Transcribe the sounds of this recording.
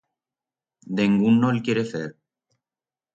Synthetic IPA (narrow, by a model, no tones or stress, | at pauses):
d̪eŋɡunːolkjeɾeθeɾ